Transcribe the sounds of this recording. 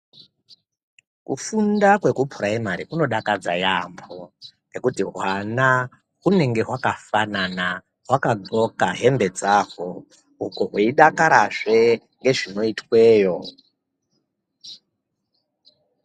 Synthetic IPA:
kufundakwe̞kupʰuɾaemaɾikuno̞ɗakad͡zajamboŋe̞kutiɦwana | ɦune̞ŋɡe̞ɦwakafanana | ɦwakad͡zo̞kaɦe̞mbe̞d͡zaːko | ukoɦweiɗakaɾaʐe̞ | ŋɡe̞ʐino̞itwe̞ːjo̞

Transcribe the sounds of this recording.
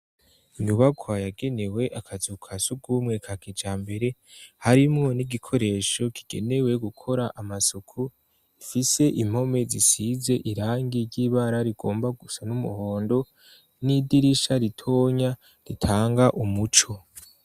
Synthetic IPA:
iɲuβaɡwajaɡe̞ne̞we̞ʔakʰazukʰasuɡuːmŋe̞kʰakid͡ʒaːmbe̞ɾe̞haɾimŋo̞niɡikʰo̞ɾe̞ʃo̞ki̥ɡ̥e̞̰ne̞we̞ɡukʰo̞ɾaʔamasukʰu | ifise̞ʔim̥ho̞me̞zisize̞ʔiɾaːŋɡiɾɟiːβaɾaɾiɡ̥o̞ːmbaɡusanumṵho̞ːndo̞ | nidiɾiʃaɾitʰo̞ːɲa | ɾitʰaːŋɡaʔumut͡ʃo

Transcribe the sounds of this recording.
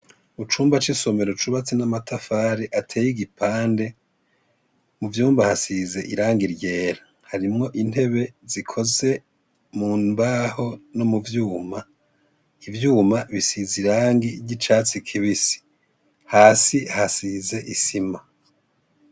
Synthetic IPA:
ut͡ʃuːmbat͡ʃiso̞me̞ɾot͡ʃuβat͡sinamatʰafaːɾiʔatʰe̞ːjiɡipʰaːnde̞ | muvjuːmbahasize̞ʔiɾaːŋɡiɾɟe̞ːɾa | haɾimŋo̞ʔin̥he̞βe̞zikʰo̞ze̞ | muːmbaho̞no̞muvjuːma | ivjuːmaβisiziɾaːŋɡiɟit͡ʃaːt͡sikʰiβisi̥ | haːsihasize̞ʔisima

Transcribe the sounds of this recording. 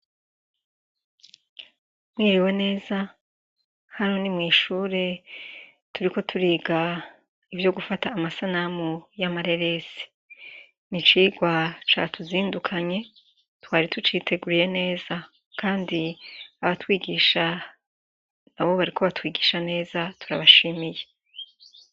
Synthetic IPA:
mŋiːɾiwe̞ne̞ːza | hanonimŋiːʃuːɾe̞ | tuɾiko̞tʰuɾiːɡa | ivjo̞ɡufataːmasanamujamaɾe̞ɾe̞si̥ | nit͡ʃiːɡwat͡ʃa̰ːtuziːndukʰaɲe̞ | twaːɾitut͡ʃiːtʰe̞ɡuɾije̞ne̞ːza | kʰaːndiaβatwiːɡiːʃa | naβo̞βaɾikʰo̞βatwiːɡiːʃane̞ːzatʰu̥ɾa̰βaʃimije̞

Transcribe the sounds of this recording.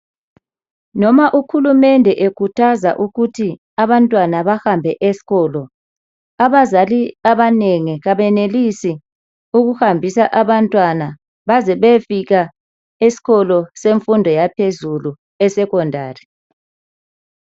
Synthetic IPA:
nɔmaʔuxulumɛndʱɛʔekʰutʰaza̰ʔuɣutʰi | aβantʼwanaβahambʱɛʔesi̥ɣɔːlɔ | aβazaliaβaneŋiɣaβɛnelisi | uɣuhambʱisaʔaβantʼwana | βazɛβefiɣa | esi̥ɣɔlɔseɱfundʱɔjapʰezulu | ɛsɛkɔndʱaːri

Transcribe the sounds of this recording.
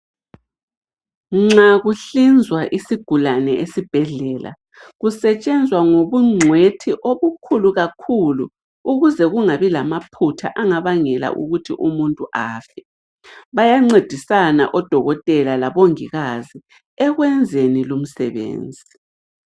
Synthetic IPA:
ŋ͡ǁaɣuɬind͡zʱwaʔisiɡ̥ʱulanɛʔesib̥ʱɛɮɛːlʔa̰ | ɣusɛt͡ʃʼɛnd͡zʱwaŋoβuŋ͡ǀʱwetʰiʔoβukʰuluɣakʰulṵ | uɣuzɛɣuŋaβilamapʰutʰa̰ʔaŋaβaŋɛla̰ʔṵɣutʰiʔumuntʼuʔaːfɛ | βajaŋ͡ǀed̥ʱisana̰ʔɔd̥ʱɔɣɔtʼɛlalaβoŋiɣazi | ɛɣwɛnd͡zʱenilum̩sɛβḛːnd͡zʱi

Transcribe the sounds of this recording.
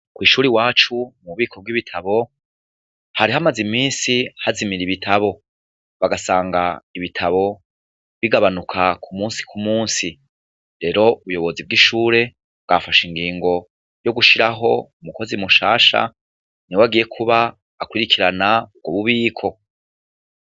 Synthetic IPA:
kwiːʃuːɾiwaːt͡ʃumuβiːkʰo̞b̚ɡwiβitʰaβo̞ | haɾiɦamazimiːnsihazimiɾiβitʰaβo̞ | βaɡasaːŋɡaiβitʰaβo̞ | βiɡaβanukʰakʰumuːnsi̥kʰumuːnsi | ɾe̞ɾo̞uβujo̞βo̞zib̚ɡiʃuːɾe̞ | βɡ̥afaʃiŋɡiːŋɡo̞ | jo̞ɡuʃiɾaɦo̞umuko̞zimuʃaːʃa̰ | niwaɡije̞kʰuβaː | kwiɾikʰiɾanaub̚ɡoβuβiːkʰo̞

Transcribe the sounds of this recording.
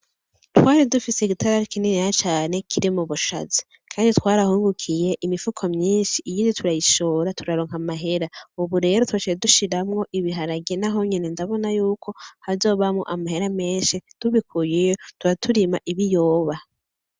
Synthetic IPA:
twaːɾidufise̞iɡitʰaɾaɾikininijat͡ʃaːne̞kʰiɾimuβuʃa̰zi̥ | kʰaːnditwaːɾahuːŋɡukʰije̞ʔimifukʰomɲiːnʃiʔːjiːnditʰuɾajiʃoːɾatʰuɾaɾoːŋhamaɦe̞ɾauβuɾe̞ːɾotwaʃijeduʃiɾamŋo̞ʔiβiɦaɾaɡenaɦo̞ɲinendaβo̞najuːkʰo̞hazo̞ːβamŋo̰ʔamahe̞ɾame̞ːnʃid̥uβikʰujejotuɾatʰuɾimaʔiβijoːβa

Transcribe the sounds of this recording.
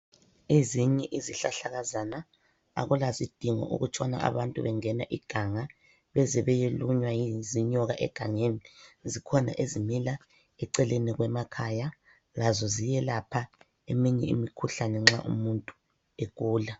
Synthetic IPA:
eziɲɛʔiziɬaɬaɣazana | a̰ɣulazid̥ʱiŋɔ̰ʔṵɣut͡ʃʰʼwana̰ʔa̰βantʼuβɛŋɛnaʔiɡ̥ʱaŋa | βɛzɛβɛjeluɲwajiziɲɔɣaʔɛ̰ɡ̥ʱaŋenizikʰɔna̰ʔezimila | ɛǀɛleniɣwɛmakʰaja | lazɔzijɛlapʰa | emiɲɛ̰ḭmikʰuɬanɛŋ͡ǁa̰ʔṵmuntʼu̥ | ekʼuːla

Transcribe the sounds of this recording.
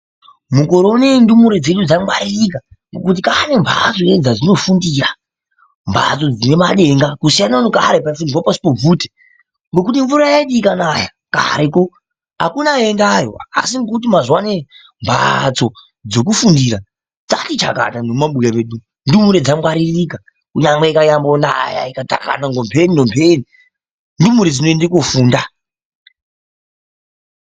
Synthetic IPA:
muko̞ɾoune̞ndumuɾe̞d͡ze̞ɗud͡zamɡwaɾirik̬aŋɡokut̬ikane̞mbʱa̰t͡so̞ed͡zad͡zino̞fundiːra | mbʱa̰t͡so̞d͡zine̞maɗe̞ŋɡakusijananoka̰ɾepaifundirwapasi̥pob͡vuːte̥ | ŋɡokutiɱvuɾajaiɗikanaja̰ | ka̰ɾeko | a̰kunaendajoaa̰siŋɡokut̬imazwane̞ | mbʱa̰t͡so | d͡zo̞k̬ufundiɾa | d͡zatit͡ʃa̰ka̰tanomaɓujameɗu | ndumuɾed͡zamwaɾirika | kuɲaŋweikajambona̰ja̰ikata̰ka̰naŋɡompʰeninompʰeni | ndumuɾed͡zinoendekofuːnda

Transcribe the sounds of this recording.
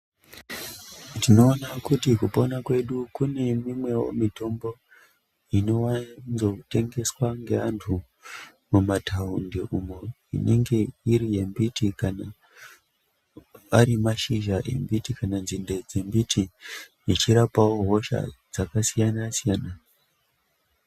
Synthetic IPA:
tino̞ːnakutikuponakwe̞ɗukune̞mimwe̞wo̞̰mito̞mbo̞ | ino̞wazo̞te̞ŋɡe̞swaŋɡe̞antʰu | mumatʰaundeʔumo | ḭne̞ŋɡe̞iɾije̞mbitikana | a̰ɾimaʃiʒaʔḛmbitikananzinded͡zembitʰi | it͡ʃiɾapawo̞ɦo̞ʃa̰d͡zakasijanasijaːna

